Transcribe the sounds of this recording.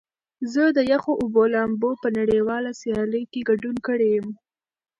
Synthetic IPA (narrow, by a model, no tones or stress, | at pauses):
zəd̪əjaxoʔʊbolambopənaɽewɑlasjɑləjkeɡaɖunkəɽejəm